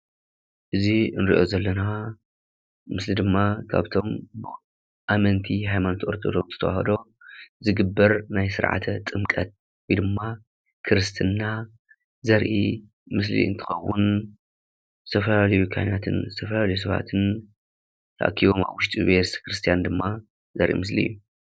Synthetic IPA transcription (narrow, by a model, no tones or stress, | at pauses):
ʔɨziɨnɨɾḭʔo̞zɐlːɐna | mɨslid̪ɨmːakʰa̰βt̪ʰo̞mb | ʔamɐnt̪ʰiɦajmano̞t̪ʔo̞ɾt̪ʰod̪o̞βt̪ʰɨ̥t̪ʰɐwa̰hɐd̪o̞ | zɨɡɨbːɐɾnajsɨ̰ɾʕa̰t̪ʰɐt̪ʼɨmkʼɐt̪̚ | wɔjd̪ɨmːa | kʰɨɾɨst̪ʰɨnːa | zɐɾʔḭ | mɨs̬lḭɨ̰nt̪ʰɨ̥xɐwːʊn | zɨt̪ʰɐfɐlalɐjukʰa̰jnat̪ʰɨ̰nzɨt̪ʰɐfɐlalɐjus̬ɐβa̰t̪ʰɨn | t̪ʰa̰ʔkʰːiβoma̰βwʊʃt̪ʼiβest̪ʰkɾɨst̪ʰijand̪ɨmːa | zɐ̰ɾʔḭmɨslḭɨ̰jːu